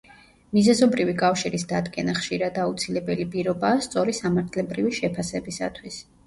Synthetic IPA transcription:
mizɛzɔbɾivikʼafʃiɾisd̪ad̪ɡɛnaχʃiɾad̪aut̪sʰilɛbɛlipʼiɾɔbaːst̪sʼɔɾisamaɾt̪ʰlɛbɾiviʃɛpʰasɛbisa̰t̪ʰwis

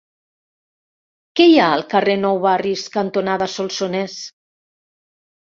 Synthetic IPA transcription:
kɛjaəlˠkarenɔwβariskant̪onaðasolˠsones

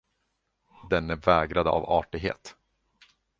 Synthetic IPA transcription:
d̪ɛnæɾvɛːɡɾad̪əa̰vɑːʈɪɡɦḛːt̪

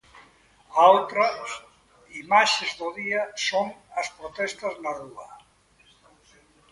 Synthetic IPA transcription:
awt̪ɾa | imaʃezðoðiɐsoŋɐspɾot̪ɛst̪ɐznaruɐ

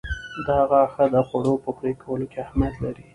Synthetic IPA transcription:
d̪əhaɣaxəd̪əxaɽopəxɾekawəlokeahmjad̪laɾi

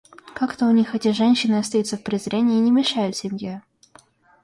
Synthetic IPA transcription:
kakt̪əʊnʲixɛtʲɪʐɛnʲɕːɪnɨɐt̪st̪ɐjut̪səfpɾʲɪzɾʲenʲɪːəːnʲɪmʲɪʂajʊt̪sʲɪmʲje

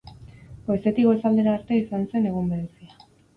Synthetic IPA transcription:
ojset̪iɣoesald̪eɾaːɾt̪eisanse̞ne̞ɣ̞ombeɾesia

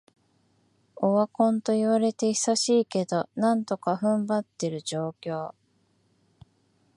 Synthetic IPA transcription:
oβakõ̞nt̪o̞iβaɾe̞t̪e̞isaɕiːke̞d̪o̞nãnt̪o̞kaɸɯ̟̃mbat̪ːe̞ɾɯ̟d͡ʑo̞ːkʲo̞ː

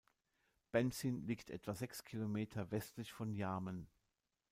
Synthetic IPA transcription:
b̥ɛnsinliːktʰʔɛ̰tv̥azɛkskʰilomeːtʰɐvɛstlɪçfɔnjaɐmən

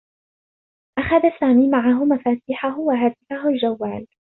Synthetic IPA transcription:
ʔaxaðasaːmiːmaʕaɦʊmafaːt̪ɪːħaɦʊwaɦaːt̪ɪfaɦʊld͡ʒawːaːl

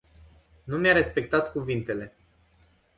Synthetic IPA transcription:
numjaɾe̞spe̞kt̪at̪kuvint̪e̞le̞

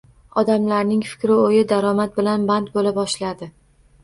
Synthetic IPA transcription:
ɒd̪amlaɾnɪŋfɪ̥kʲɾɪojɪd̪aɾɒmat̪̚bɪlanbant̪̚bolabɒʃlad̪ɪ

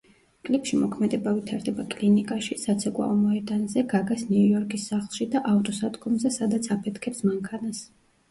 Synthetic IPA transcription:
kʼlipʃimɔkʰmɛd̪ɛbavit̪ʰaɾd̪ɛbakʼlinikʼaʃisat̪sʰɛkʼwa̰ɔmɔɛd̪anzɛɡaɡasniujɔɾkʼisːaχlˠʃid̪aʔaft̪ʼɔsad̪ɡɔmzɛsad̪at̪sʰapʰɛt̪ʰkʰɛpsmaŋkʰanas

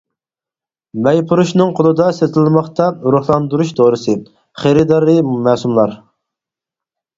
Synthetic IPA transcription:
mɛjpʰuɾuʃnɨŋqʰolˠɨd̪ɑset̪ɪlmɑχt̪ɑuɾʊχlˠɑnd̪uɾuʃt̪ʰoːɾɨsɨ | χeɾɪd̪ɑɾɨmɛːsumlˠɑɾ

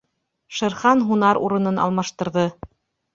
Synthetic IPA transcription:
ʃɤ̆ɾχɑnɦunɑɾṵɾɤ̆nɤnɑ̰lˠmɑʃt̪ɤ̆ɾðɤ

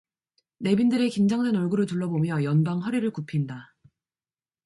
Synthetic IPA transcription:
ne̞bindɯɾe̞kind͡ʑʌŋdwenʌɭɡuɾɯɭtuɭːʌbomjʌjʌnbaŋɸʌɾiɾɯɭkupʰinda

